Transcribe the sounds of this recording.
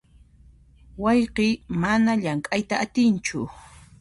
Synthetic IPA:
wɑjqimanaʎaŋkʼajt̪aːt̪ɪnt͡ʃʊ̰

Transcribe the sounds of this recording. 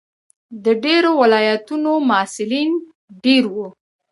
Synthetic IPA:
d̪əɖeɾowɪlɑjat̪unomːsɪlin | ɖeɾwu

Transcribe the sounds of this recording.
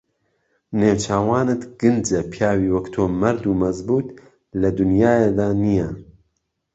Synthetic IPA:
newt͡ʃʰaːwaːnɨt̪ɡɨnd͡ʒɐpʰjaːwiːwɐkt̪ʰoːmɐɾd̪uːmɐzbuːt̪ | lɐd̪unjaːjed̪aːnijɛ

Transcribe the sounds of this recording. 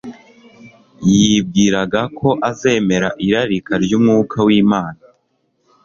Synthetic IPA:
jib̚ɡiːɾaɡakʰo̞ʔaze̞ːme̞ɾaʔiɾaɾikaɾɟumŋuːkʰawiːmaːna

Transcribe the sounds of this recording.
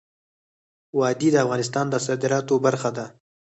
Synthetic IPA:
wɑd̪id̪əafɣɑnɪst̪ɑnd̪əsɑd̪ɪɾɑt̪obaɾxad̪a

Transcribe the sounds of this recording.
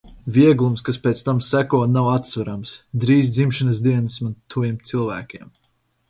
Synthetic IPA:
vʲiɛɡlˠumskaspʲeːt̪st̪amsækuɔnawat̪svaɾamsd̪ɾiːzd̪zimʃanɨzd̪iɛnɨsmant̪ʰːuvjiɛmt̪silˠvæːkʲiɛm

